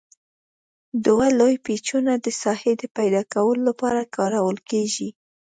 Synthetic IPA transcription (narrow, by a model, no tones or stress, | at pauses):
d̪walojpet͡ʃunad̪əsɑhed̪əpajd̪ɑkawəlolapɑɾakɑɾawəlkeʒi